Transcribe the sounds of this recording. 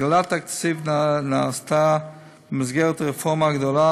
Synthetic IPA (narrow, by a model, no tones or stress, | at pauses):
ɡlˠataksivnnastʰa | mɪz̬ɡɛɾtɾəfɔmaɡdɔlˠa